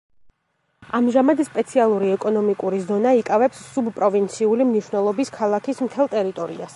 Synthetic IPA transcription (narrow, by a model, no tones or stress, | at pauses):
amʒamad̪spʼɛt̪sʰialˠuɾiɛkʼɔnɔmikʼuɾizɔnaikʼavɛpsːubpʼɾɔvint̪sʰiulimniʃwnɛlˠɔbiskʰalˠakʰismt̪ʰɛlˠt̪ʼɛɾit̪ʼɔɾḭas